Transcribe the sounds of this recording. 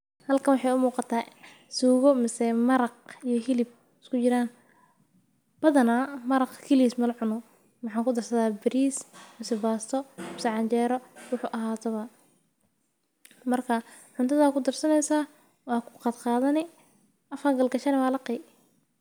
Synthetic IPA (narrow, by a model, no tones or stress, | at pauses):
hɐlkʰɐwɑħɑjʊmuːqɑt̪ʰaː | suːɣɔmɪsɛmɐɾɑqijɔɦɪlɪb̚ | ɪskʰʊt͡ʃɪɾaːn | b̥ɐðɐnamɐɾɑqkʰɛliismɐlʕʊnʊ | mɑħɑːŋkʰʊd̪ɐrsɐðaːbɪɾiːsmɪsɛbaːst̪ʰɔmɪsɛʕɑɲt͡ʃɛːɾɔwʊħuːʔɐɦaːt̪ʰɐβɐ | mɐrkʰɐ | ʕʊnt̪ʰɐðaːkʰʊd̪ɐrsɐnɛjsaː | wɑːkʰʊ̥qɑːd̪qɑːðɐnɪ | ʔɐfɐɡɐlɡɐʃɐnɛwaːlɐqɛj